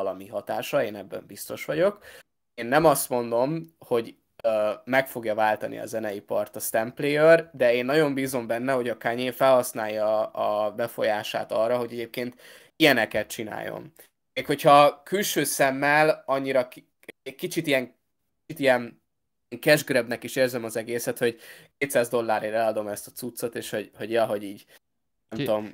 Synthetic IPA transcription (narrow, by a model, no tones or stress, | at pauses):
ɒlɒmiɦɒt̪aːʃɒeːnɛbːɛ̰mbist̪o̞ʃʋɒɟo̞k | eːnːɛmɒst̪mo̞nd̪o̞mho̞ɟ | mɛkfo̞ɡjɒvaːlt̪ɒnʔḭɒ̰zɛnɛjipɒrt̪ɒst̪ɛmpleːjørd̪ɛeːnːɒɟo̞mbiːzo̞mbɛnːɛho̞ɟɒkaɲeːfɛlhɒsnaːjːɒɒbɛfo̞̰jaːʃa̰ːt̪ɒrːɒɦo̞ɟɛɟeːp̚keːnt̪ | ijɛnɛkɛt̪̚t͡ʃina̰ːjo̰n | eːkho̞chɒkylʃøːsɛmːɛlɒɲːiɾɒk | ɛkit͡ʃit̪ijɛŋ | iit̪ijɛn | ŋkɛʒɡɾɛbnɛkiʃeːrzɛmɒzɛɡeːsɛt̪ho̞ɟkeːt̪saːzd̪o̞lːaːɾeɾɛlɒd̪o̞mɛst̪ɒ̥t̪sut̪sːo̞t̪eːʃho̞ɟho̞ɟjɒɦo̞ɟiːɟ | ɛmt̪o̞m